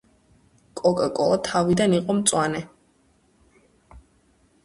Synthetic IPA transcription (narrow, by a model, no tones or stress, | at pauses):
kʼɔkʼakʼɔlˠat̪ʰavid̪aniqʼɔmt̪sʼwanɛ